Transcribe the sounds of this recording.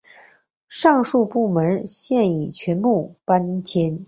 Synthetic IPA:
ʂɑ˥˧ŋʂu˥˧pu˥˩mə˧˥nɕjɛ˥˩ni˨˩t͡ɕʰɥɛ˧˥nmu˥˩pa˥nt͡ɕʰjɛ˥n

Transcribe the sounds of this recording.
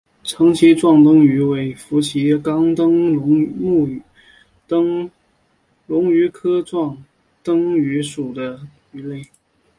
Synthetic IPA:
ʈ͡ʂʰɤ˧˥ŋt͡ɕʰi˧˥ʈ͡ʂwɑ˥˩ŋt̪ɤ˥ŋy˧˥we˧˥ɪfu˧˥t͡ɕʰi˧˥kɑ˥ŋt̪ɤ˥ŋʊ˧˥ŋmu˥˩ | t̪ɤ˥ŋ | lʊ˧˥ŋy˧˥kʰɤ˥ʈ͡ʂwɑ˥˩ŋ | t̪ɤ˥ŋy˧˥ʂu˨˩d̪ə˦ | y˧˥le˥˩ɪ

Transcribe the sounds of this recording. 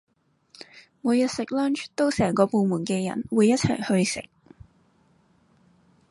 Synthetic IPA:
muː˨˧jɐ˨t̚sɪ˨k̚lɔː˥nt͡ʃt̪o˥wsɛː˨˩ŋkɔː˧po˨˧wmuː˨˩nkɛː˧jɐ̰˨˩nwuː˨˧jɐ˥t̚t͡sʰɐ˨˩jhɵ˧ɥsɪ̰˨k̚

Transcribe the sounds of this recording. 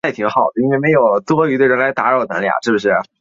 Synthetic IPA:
ɪ˩t̪ʰi˧˥ŋxɑ˨˩ʊd̪ə˦i˥nwe˥˩ɪme˧˥ɪjo˨˩ʊt̪wɔ˥y˧˥we˥˩ɻə˧˥nla˧˥ɪt̪a˧˥ɻo˥˩t̪ɤ̰˧˥ŋla̰˩ʂɻ̩˥˩bə˩ʂɻ̩˥˩

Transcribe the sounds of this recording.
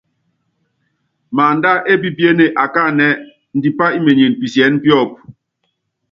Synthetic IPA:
ma˨n̩˨da˦ʔe˦pi˦pje˦ne˨ʔa˨ka˦˨nɛ˦ | n̩˨di˨pa˦i˦me˨ɲe˨n˨pi˨sjɛ˨˦n˦pjɔ˦˨p̚

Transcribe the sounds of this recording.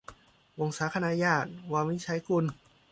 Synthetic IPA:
ʔo˧˩ŋsaː˨˦kʰa˧naː˧jaː˧˩t̪̚waː˧miː˧˥˨t͡ɕʰa˦˥jku˧n

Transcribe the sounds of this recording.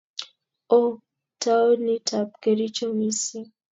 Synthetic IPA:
ɔ˦ | ta˦ɔ˦ni˦tʰa˨p̚kɛ˨ɾi˦t͡ʃɔ˦mi˦si˦

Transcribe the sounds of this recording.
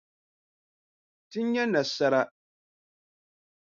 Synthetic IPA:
ti˦ɲ˦ɲɛ˦na˨sa˦ɾa˦

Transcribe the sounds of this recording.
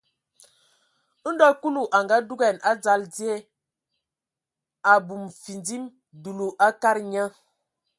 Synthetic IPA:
dɔ˦ku˦lu˨ʔa˨ŋɡa˦du˦ɡɛ˨na˦d͡za˦ld͡zi˦e˦ | a˨bu˨mfi˨nd͡zi˦m | du˨lu˨ʔa˦ka˦ɾɲə˦

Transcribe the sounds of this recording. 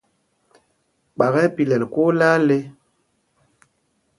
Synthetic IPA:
k͡pa˨ɣɛ˦pi˨lɛ˨lko˦la˦le˦

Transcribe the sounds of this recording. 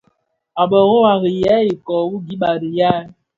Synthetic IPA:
a˨ɓə˨ɣɔ˦wa˨ɣi˨ja˦i˨kɔ˨wu˦ɡi˨˦ɓa˨ɾi˨ja˦

